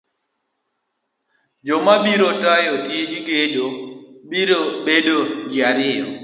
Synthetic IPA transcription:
d͡ʒɔmabiɾotajɔtjed͡ʒiɡedobiɾobedod͡ʒɪaɾɪjɔ̰

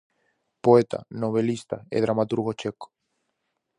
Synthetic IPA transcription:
poet̪a̰noβelist̪aḛðɾamat̪uɾɣot͡ʃeko̥

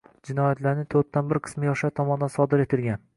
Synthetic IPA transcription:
d͡ʒɪnɒjat̪ʰlaɾnɪt̪ʰoɾt̪ʰːanbɪɾqʰɨ̥smɪjɒʃat̪ʰɒmɒnd̪ansɒd̪ɪɾe̞t̪ʰɪlɡʲan

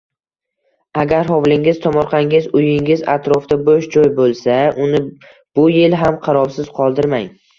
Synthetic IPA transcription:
aɡʲaɾɦɒvlɪŋɪzt̪ʰɒmɒɾqʰɑŋɪzʊjɪŋɪza̰t̪ɾoft̪aboʃd͡ʒɒjbolˠsaʔʊnɪ | b̥ʊjɪlɦamqʰɑɾɒbsɪz̥qʰɒlˠd̪ɪɾmaŋ

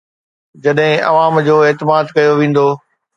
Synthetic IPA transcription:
d͡ʑɐɗɦɪ̃ɐ̰ʋaːmd͡ʑoːɪːt̪ɪmaːd̪kɐjoʋẽːn̆d̪oː

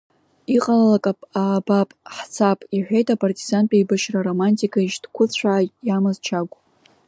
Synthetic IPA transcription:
iqʼalalakʼapʼaːbapʼħt͡sʰapʼiħʷᶣejtʼapʼartʼizanpʲʼaibaʃraromanʲtʰʼikʰaiʃdkʷʰʊt͡ɕʷaːjamazt͡ʃʰaɡʷʼ

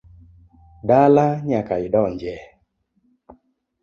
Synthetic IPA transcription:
dalaɲakaiɗɔɲd͡ʒɛ

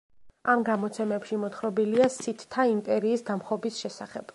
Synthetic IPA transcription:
amɡamɔt̪sʰɛmɛpʃimɔt̪χɾɔbiliasit̪ʰt̪ʰːaimpʼɛɾiːsd̪amχɔbisʃɛsaχɛb̥

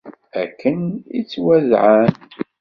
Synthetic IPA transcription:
æ̰kʰːənḭt͡sːwæzʕan

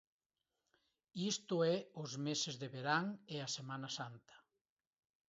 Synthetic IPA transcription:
ist̪ʊɛʊzmesezðeβeɾaŋeasemanasant̪ɐ̥

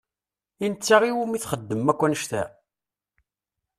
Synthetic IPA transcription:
int͡sːaʁiwumiθχəd̪ːəmːækʷːænəʃt̪æ̰

